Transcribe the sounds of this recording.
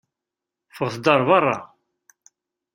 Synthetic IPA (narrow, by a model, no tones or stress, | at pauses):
fəʁθd̪ɑɾˤvɑrˤːɑ̰